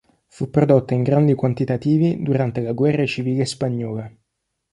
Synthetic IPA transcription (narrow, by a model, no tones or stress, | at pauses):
fupːɾod̪ot̪ːaiŋɡɾand̪ikwant̪it̪at̪iːvid̪uɾant̪elaɡwɛrːet͡ʃiviːlespaɲːɔːle